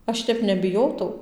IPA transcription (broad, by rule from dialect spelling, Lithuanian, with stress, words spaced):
ˈɐʃ tʲɛp nʲɛbʲɪˈjoːtɐʊ